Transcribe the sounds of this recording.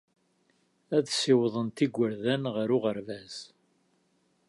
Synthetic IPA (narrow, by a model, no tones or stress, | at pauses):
æðsɪwðˤənt̪iɡʷːəɾðænʁəɾʊʁəɾvæz̥